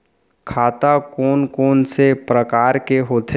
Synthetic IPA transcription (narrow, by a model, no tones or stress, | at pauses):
kʰaːt̪akoːnkoːnsepɾəkaːɾkeɦoːt̪ʰe